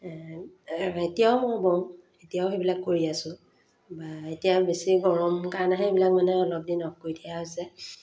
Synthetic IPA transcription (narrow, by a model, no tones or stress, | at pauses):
aetijaʊmɔbɔ̃ | etijaʊxebilakːoɹiasʊ̃ | baetijabesiɡɔɹɔmkaɹnaɦɛebilak̚manɛɔlɔp̚dinɔk̚kːoɹidijaɦojsɛ